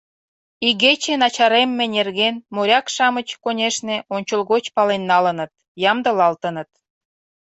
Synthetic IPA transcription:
iɣet͡ɕenɑt͡ɕɑɾemːenerɣenmoɾʲɑkʃɑmət͡ɕkonʲeʃneonʲt͡ɕəlɣot͡ɕpɑlenːɑlənə̆t̪̚ | jɑmd̪ə̆lɑlt̪ənət̪̚

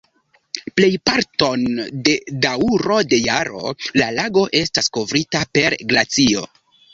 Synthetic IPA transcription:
ple̞jpaɾto̞nde̞dauɾo̞de̞jaɾo̞̰lalaɡo̞ʔe̞stasko̞vɾitape̞ɾɡlat͡sio̞̰

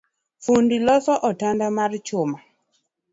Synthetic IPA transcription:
fundilɔsɔʔɔtandamart͡ʃʊma

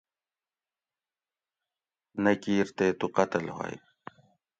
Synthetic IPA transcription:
nɐkiːɾt̪eːt̪uqɐt̪əlɦa̰ːj

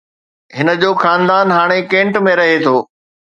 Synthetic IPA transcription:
ɦɪnə̆d͡ʑoːxaːnd̪aːnɦaːɽ̃ekẽːɳʈmẽɾɐɦet̪ʰoː

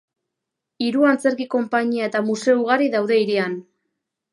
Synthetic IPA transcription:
iɾuant͡se̞ɾkiko̞mpaɲiae̞t̪amuse̞uɣ̞aɾiðawðe̞iɾian

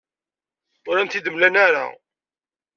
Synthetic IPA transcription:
ʊɾænt̪id̪əmlænaɾa̰

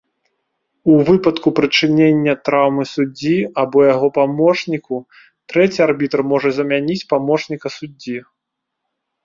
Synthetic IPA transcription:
uvɨpɐt̪kupɾɨt͡ʂɨnʲenʲːɐt̪ɾawmɨsud͡zʲiabɔjaɣɔpamɔʂnʲiku | t̪ɾɛt͡sʲiarbʲit̪ɐrmɔʐɐzɐmʲanʲit͡sʲpamɔt͡ʂnʲikɐsud͡zʲːi

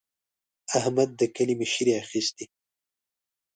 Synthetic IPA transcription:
ahmad̪̚ːəkəlimeʃiɾiaxist̪i

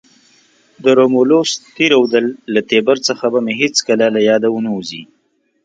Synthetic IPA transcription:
d̪əɾomolost̪iɾawd̪əlːat̪ebaɾt͡səxabameɦet͡skəlalajɑd̪awənauzi

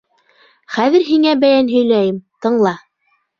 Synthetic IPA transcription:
χæðɘ̆ɾɦiŋæbæjænɦɵ̆jlæjɘmt̪ɤ̆ɴlˠɑ

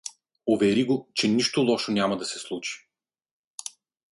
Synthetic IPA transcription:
ʊvɛɾiɡot͡ʃɛniʃt̪olˠɔʃonʲamɐd̪ɐsɛslˠut͡ʃi̥

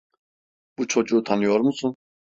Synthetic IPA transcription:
b̥ut͡ʃʰɔt͡ʃʼut̪ʰanijɔɾmusũ

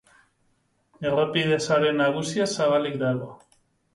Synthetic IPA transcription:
e̞rapiðe̞saɾe̞naɣusiasaβalikd̪aɣo

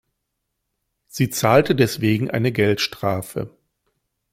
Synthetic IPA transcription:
z̥iːt͡saːltədɛsv̥eːɡŋ̩ʔa̰ɪnəɡɛltʃtʁ̥aːfə̰

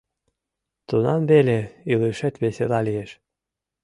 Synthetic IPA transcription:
t̪unɑnbelʲeilˠɯʃet̪βeselˠɑlijeʃ

